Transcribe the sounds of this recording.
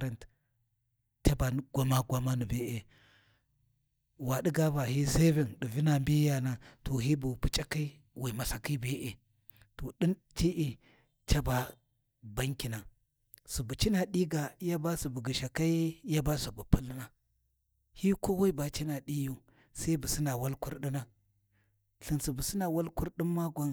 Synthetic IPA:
ɾa˨nt | t͡ʃa˦ba˨ɡʷa˦ma˦ɡʷa˦ma˦nu˨be˦ʔe˨ | wa˨ɗi˦ɡa˦ba˨hi˦se˦vi˨nɗu˨vi˦na˨mbi˦ja˨na˨to˨ɦi˦bu˨pu˨t͡ʃʼa˦ki˦i˦ | wi˨ma˨sa˨ki˦bi˦ʔe˨ | to˨ɗi˦n | ti˦ʔi˨ | t͡ʃa˦ba˨ | ba˦ŋkʲi˨na˨ | su˨bu˨t͡ʃi˦na˨ɗi˦ɡa˨˦ja˦ba˦su˨bu˨ɡi˨ʃa˨ka˦ja˦ba˦su˨bu˨pu˦lna˦ | hi˦ko˦wa˦i˦ba˨t͡ʃi˦na˨ɗi˦ju˦ | sa˦i˦bu˨si˦na˨wa˦lku˦ɾɗi˦na˦ | ɬi˨nsu˨bu˨si˦na˨wa˦lku˦ɾɗi˦mːa˦ɡʷa˦n

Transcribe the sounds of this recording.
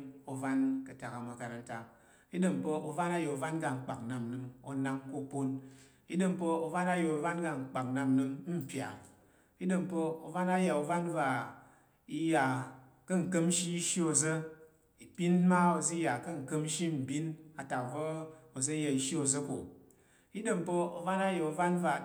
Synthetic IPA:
o˨va˦nkə˨ta˨ka˨ma˨ka˨ɾa˨n̩˦ta˨ | i˦dɨ˨mpə˧o˨va˦na˦jo˨o˨va˦nɡa˨ŋ͡m̩˨k͡pa˨kna˨m˨nɨ˦ŋo˨na˦ŋko˦po˦n | i˦dɨ˨m˨pə˦o˨va˦na˦jo˨o˨va˦nɡa˨ŋ͡m̩˨k͡pa˨k̚na˨m˦nɨ˧ŋ˦m̩˨pʲja̰˨ | i˦dɨ˨mpə˦o˨va˦na˦ja˨o˨va˦n˦va˨ | i˦ja˨ | kə˦ŋ̩˨kə˦m˦ʃi˦i˦ʃi˦o˨zə˦ | i˨pi˦n˦ma˦o˨zə˦ja˨kə˦ŋ̩˨kə˦m̩˦ʃi˦m̩˨bi˦na˨ta˨vo˦o˨zə˦ja˨i˨ʃi˦o˨zə˦ko˨ | i˦də˨m˨po˦o˨va˦na˦jo˨o˨va˦n˦va˨

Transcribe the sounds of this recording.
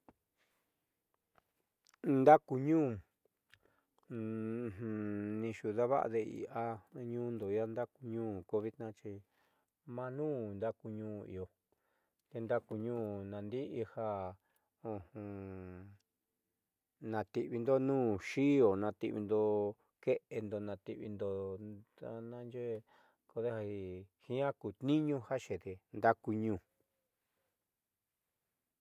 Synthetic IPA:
nd̪a˦ku˧ɲũː˦˨˧ | hnĩ˧ʃu˧ða˦βa̰˦ʔa̰˧ðe˧ḭ˨a˧ɲũː˦nd̪o˨˦a˧nd̪a˦ku˧ɲũː˦˨ko˧βi˦t̪nã˦t͡ʃi˧ | mã˧nũː˦nd̪a˦ku˧ɲũː˦ḭ˨o˧ | t̪e˧nd̪a˦ku˧ɲũː˦nã˨nd̪i˦ʔi˧ha˧ | õ˧hũ˧ | nã˧t̪i˧ʔβi˧nd̪o˦nũː˦ʃi˦o˨nã˧t̪ḭ˧βḭ˧nd̪o˧ | ke˦ʔe˧nd̪o˧nã˧t̪ḭ˧ʔβḭ˧nd̪o˧a˧nã˦˧nd͡ʒe˦˧ | ko˧ðe˦ha˧i˧hĩ˦ã˦ku˨t̪nĩ˦ɲũ˦ha˦ʃe˨t̪e˧nd̪a˦ku˧ɲũː˧˨

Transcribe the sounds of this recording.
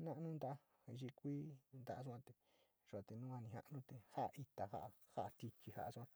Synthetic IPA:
nã˦ʔnũ˦nd̪a˧˦a˦˧ | i˧t͡ʃi˧kʷiː˦nd̪a˧ʔa˧ʂ̬u˧ã˧t̪e˧ | ʐu˧˨a˨˧t̪e˧nũ˦ã˧nĩ˧hã̰˧ʔnũ˦t̪e˧ha˦ʔʔi˧t̪a˨ha̰˦ʔa˧ha˦a˧t̪i˧t͡ʃi˧ha̰˧ʔa˧sã˧

